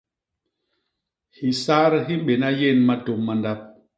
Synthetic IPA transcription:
hi˨sa˦ɾɦi˦ɓe˨na˦je˦˨nma˦to˨mːa˨nda˦p̚

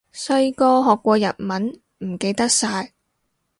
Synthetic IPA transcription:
sɵ˧ɥkɔː˧ɦɔː˨kʷːɔː˧jɐ̰˨t̚mɐ˨˥n | m̩˨˩ke˧jt̪ɐ˥k̚saː˧j

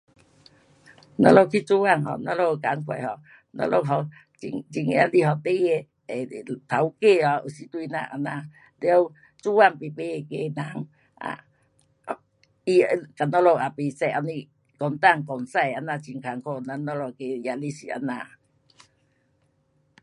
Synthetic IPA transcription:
nɔ̰˧lo˧kʰi˦˧˨t͡su˦a˧˨ŋɦɔ̰˧˨nɔ˧lo˧˨ka˨˧˦ŋkʰwa̰˨jhɔ˨ | nɔ̰˧lo˧˨ɦɔ˨ | t͡ɕi˧ŋt͡ɕi˧˩ŋ˧a˧li˧˨ɦɔ˨˩t̪e˧˦e˧˨ | e˨t̪ʰa˨˦wke˥˧˨ɔ˨˧˨ʔu˨si˨˦t̪wi˧nã̰˧˨ʔa̰˧˩na˧˨ | le˧˦o˦w | t͡su˦wa˧˨ŋpi˨pe˧˨e˨ke˧nã˨˦ŋ | ʔa̰˧˨ | i˧ka˨nɔ˧lo˧˨a˨pi˨sɛ˧˨ʔa˧ni˧ | kɔ˨˩nt̪a˧˨ŋkɔ˨nsa˧˨ja˧nã˧˨t͡ɕi˨ŋkʰa˨˦ŋkʰo˧˨na˧nɔ˧lo˧ke˧ja˧li˧˨si˨ʔa̰˧nã˧˨

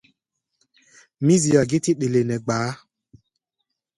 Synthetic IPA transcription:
mi˦zi˨ɔ˨ɡɪ˦tɪ˦ɓe˨le˨nɛ˨ɡ͡baː˨˦

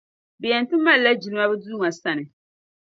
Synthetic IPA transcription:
bɛ˨jɛ˨n˨tɨ˦ma˦lla˦d͡ʒi˨lɨ˦ma˦bɛ˦duː˦ŋa˨sa˦nɨ˨

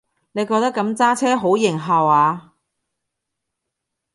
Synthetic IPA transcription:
ne˨˧jkɔː˧k̚t̪ɐ˥kːɐ˨˧˥mt͡saː˥t͡sʰɛː˥ɦo˨˥wjɪ˨˩ŋɦaː˨waː˨˧

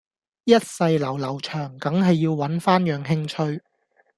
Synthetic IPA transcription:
jɐ˥t̚sɐ˧jlɐ˨˩wlɐ˨˩wt͡ʃʰœː˨˩ŋkɐ˨˥ŋɦɐ˨jːiː˧wwɐ˨˥nfaː˥njœː˨ŋɦɪ˧ŋt͡ʃʰɵ˧ɥ

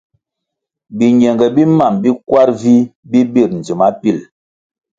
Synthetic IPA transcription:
bi˨ɲɛ˨ŋɡɛ˨bi˦ma˦˨mbi˦kwa˦ɾvi˦bi˦bi˦˨ɾn̩˨d͡zi˨ma˦pi˦˨l

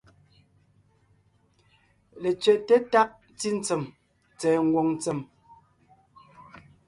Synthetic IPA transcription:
le˨t͡sɥɛ˨ʔte˦ta˦ʔ̚ | t͡si˦n̩˦t͡sə˨m | t͡sɛː˨ŋ̩˦˨ɡwɔ˨ŋn˦t͡sɛ˨m

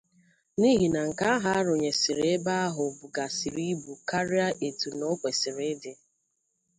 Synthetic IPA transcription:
ni˦ɦi˨na˨ŋ̩˨ka˦a˦ɦa˦a˦ɾʊ˨ɲe˨sɪ˨ɾe˦ba˦a˦ɦʊ˨bʊ˨ɡa˨si˨ɾi˦bu˨ka˦ɾi˦a˦ʔe˨tu˨no˦kʷe˨sɪ˨ɾe˦dɪ˨

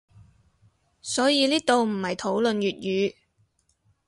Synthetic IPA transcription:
sɔː˨˥jiː˨˧liː˥t̪o˨wm̩˨˩hɐ˨jt̪ʰo˨˥wlɵ˨njyː˨t̚jyː˨˧

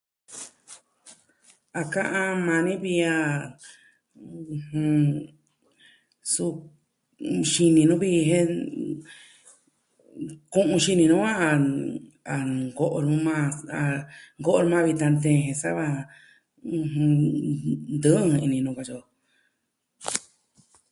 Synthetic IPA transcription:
a˧kã˦ʔã˧mã˧nĩ˦βi˧a˧ | hũ˧ | su˧ | ʃi˧nĩ˧nũ˦βi˧ɦe˦ | kũ˦ʔũ˧ʃi˧nĩ˧nũ˦ã˦a˧ | a˨ɡo˦ʔo˧ɾũ˧˦mã˦˧a˧ŋɡo˦ʔo˧ɾũ˧mãː˦˧βi˧t̪a˧nt̪ẽ˧ɦẽ˧sa˦βa˧ | ũ˧hũ˧ | nd̪ɨ˦˧ĩ˧nĩ˧nũ˧ka˧t͡ʃo˧

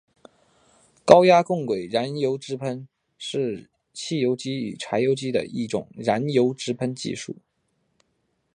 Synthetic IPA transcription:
kɑ˥ʊja˥kʊ˥˩ŋkwe˨˩ɪɻa˧˥njo˧˥ʊʈ͡ʂɻ̩˧˥pʰə˥n | ʂɻ̩˥˧ | t͡ɕʰi˥˩jo˧˥ʊt͡ɕi˥y̰˨˩ʈ͡ʂʰa˧˥ɪjo˧˥ʊt͡ɕi˥d̪ə̰˨ʔi˥˩ʈ͡ʂʊ̰˨˩ŋɻa˧˥njo˧˥ʊʈ͡ʂɻ̩˧˥pʰə˥nt͡ɕḭ˥˧ʂṵ˥˩

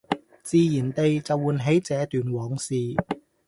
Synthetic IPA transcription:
t͡siː˨˧jiː˨˩nt̪e˨jt͡sɐ˨wuː˨˧nɦe˨˥jt͡sɛː˨˧t̪yː˨˩nwɔː˨˥ŋsiː˨˧

